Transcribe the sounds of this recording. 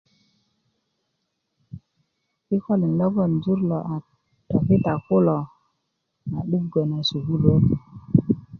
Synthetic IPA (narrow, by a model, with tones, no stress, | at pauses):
i˦ko˦li˨nlɔ˦ɡɔ˦˨nzu˦ɾlo˨ʔa˨ | tɔ˨ki˦ta˨ku˦lo˨ | na˨ɗu˦kɡo˨na˨su˨ɡu˦lo˦ki˨